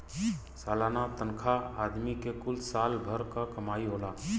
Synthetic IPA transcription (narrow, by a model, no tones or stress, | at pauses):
saːlaːnat̪ə̃nkʰaaːd̪mikekʊlsaːlbʱəɾkakɐmaːiɦoːlaː